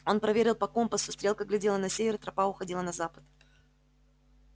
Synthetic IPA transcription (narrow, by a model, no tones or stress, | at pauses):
o̞npɾɐvʲeɾʲɪlˠpɐko̞mpəsʊst̪ɾʲe̞lˠkəɡlʲɪdʲe̞lˠənɐsʲevʲɪrt̪ɾɐpaʊxɐdʲilˠənɐzapə̥t̪̚